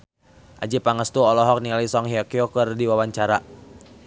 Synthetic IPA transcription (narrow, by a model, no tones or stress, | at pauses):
ʔad͡ʒipaŋəst̪uɔlɔɦɔk̚niŋalisɔŋɦiɔkiɔkərdiwawaɲt͡ʃaɾa